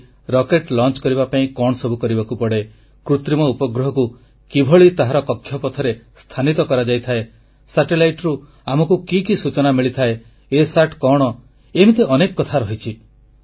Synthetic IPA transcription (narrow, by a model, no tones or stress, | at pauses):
ɾɔkeʈlɔnt͡ʃkɔɾibapaĩkɔɽ̃ɔsɔbʱukɔɾibakupɔɽe | kɾut̪ɾimɔupɔɡɾɔɦɔku | kibʱɔɭit̪aɦaɾɔkɔkʰːjɔpɔt̪ʰɔɾest̪ʰanit̪ɔkɔɾad͡ʒajt̪ʰae | saʈelajʈɾu | amɔkukikisut͡ʃɔnamiɭit̪ʰae | esaʈkɔɽ̃ɔ | emit̪eʔɔnekɔkɔt̪ʰaɾɔɦit͡ʃʰi